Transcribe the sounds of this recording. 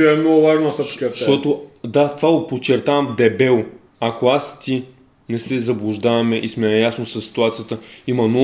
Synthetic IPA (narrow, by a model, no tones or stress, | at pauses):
ɛɛmnɔɡʊvaʒnod̪ɐsɛpo̥t͡ʃɛɾtʃat̪ɔt̪od̪at̪ovaɡopot͡ʃɛɾt̪avɐmd̪ɛbɛlˠ | akoast̪i | nɛsɛzɐblˠʊʒd̪avɐmɛʔismɛjasnosɐsːi̥t̪uat̪sijət̪əimɐnɔ